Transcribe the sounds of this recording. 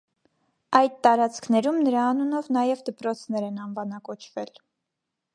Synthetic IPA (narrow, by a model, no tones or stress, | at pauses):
ɑjd̪̚t̪ɑɾɑt͡skʰnɛɾumnəɾɑːnunɔvnɑjɛvd̪əpɾɔt͡sʰnɛɾɛnɑnvɑnɑkɔt͡ʃʰvɛl